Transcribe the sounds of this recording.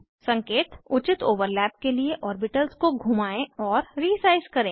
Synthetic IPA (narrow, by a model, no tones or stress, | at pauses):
sɐ̃ŋkeːt̪ʊt͡ʃɪt̪oːʋəɾlɛːp̚kelieʔɔːɾbɪʈəlzkoɡʱumaːẽɔːɾɾiːsaːɪzkɐɾẽː